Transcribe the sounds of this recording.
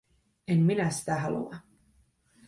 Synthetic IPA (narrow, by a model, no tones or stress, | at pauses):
emminæsi̥t̪æɦɑlṵɑ